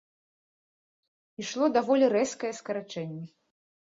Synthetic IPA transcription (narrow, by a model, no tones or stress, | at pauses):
iʂlˠɔd̪avɔlʲiɾɛskɐjɛskɐɾat͡ʂɛnʲːɛ